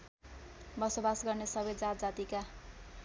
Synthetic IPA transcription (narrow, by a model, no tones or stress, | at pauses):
bʌsobasɡʌrnesʌbet̪̚d͡zat̪d͡zat̪ika